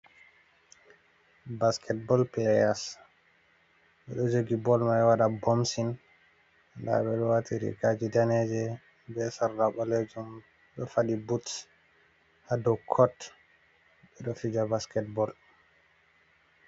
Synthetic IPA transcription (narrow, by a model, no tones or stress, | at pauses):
baskʰɛt̚bɔlplɛjas | ɓɛɗɔd͡ʒoɡibɔlmajwaɗabomsin | anda̰ɓɛɗɔwatiɾḭkad͡ʒidanɛd͡ʒɛ | bɛsaɾdaɓɔlɛd͡ʒum | ɗɔfaɗibuts | hadɔkʰɔt | ɓɛɗɔfid͡ʒabaskɛt̚bɔl